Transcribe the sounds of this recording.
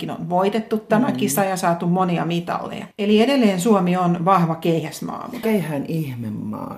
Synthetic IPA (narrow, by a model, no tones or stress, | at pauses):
kino̰nʋoit̪et̪ːut̪t̪æmækisɑjɑsɑːt̪ummoniɑ̰mit̪ɑ̰lːḛjɑ̰eliedelːeːnsuomionʋɑhʋɑkeihæsmɑ̰ːmkeihæːnihmemːɑ̰ː